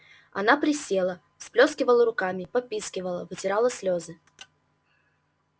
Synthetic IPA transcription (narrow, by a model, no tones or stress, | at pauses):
ɐ̰napɾʲɪsʲelˠə | fsplʲoskʲɪvəlˠəɾʊkamʲɪpɐpʲiskʲɪvəlˠəvɨtʲɪɾalˠəsʲlʲozɨ